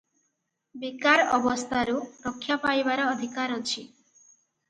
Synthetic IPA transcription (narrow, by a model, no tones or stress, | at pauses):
bikaɾɔbɔst̪ʰaɾuɾɔkʰːjapajbaɾɔːd̪ʱikaɾɔt͡ʃʰi